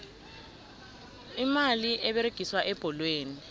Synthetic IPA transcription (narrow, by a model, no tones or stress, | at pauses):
imaliʔɛɓeɾeɡ̥ʱiswaʔɛb̥ʱɔlweːni